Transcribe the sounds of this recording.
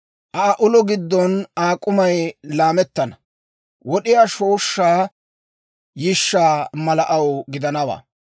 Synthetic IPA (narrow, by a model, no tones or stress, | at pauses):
ʔɐɐʔʊlɔɡɪd̪ːɔnaːkʼʊmɐjlaːmɛt̪ːɐnɐ | wɔɗɪjaːʃoːʃːaː | jɪʃːaːmɐlɐʔɐwɡɪd̪ɐnɐwa̰ː